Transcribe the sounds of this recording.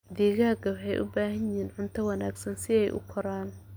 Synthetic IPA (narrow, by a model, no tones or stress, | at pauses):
d̪iːɣaːɡɐwħɛjʔʊbaːɦɐjɪɦiːnʕʊnt̪ʰɐwɑnaːɡsɐnsɪɛjʔʊ̰kʰɔɾaːn